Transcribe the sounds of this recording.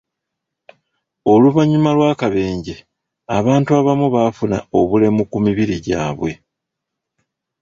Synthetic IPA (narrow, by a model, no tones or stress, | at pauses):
o̞luβaɲumalwaːkaβe̞ːɲɟe̞ | aβaːntuaβamuβaːfuna̰o̞βule̞mukumiβiɾiɟaːβwe̞